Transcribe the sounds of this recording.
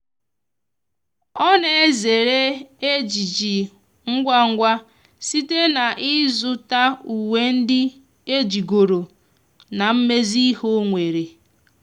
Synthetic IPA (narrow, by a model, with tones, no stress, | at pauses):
ɔ˦ne˨e˦ze˨ɾe˦e˦d͡ʒi˨d͡ʒi˨ | ŋ̩˦ɡʷa˦ŋ̩˦ɡʷa˦ | si˦te˦na˨ʔɪ˦zʊ˦ta˦u˨we˦n̩˦dɪ˦ | e˦d͡ʒi˨ɡo˨ɾo˨ | na˨m̩˦me˦zi˦ho˦ŋʷe˨ɾe˨